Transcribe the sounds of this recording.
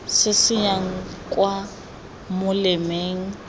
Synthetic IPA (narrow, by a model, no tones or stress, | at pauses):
sɪsɪjaŋ̩kʼwa | mʊlɪmeːŋ̩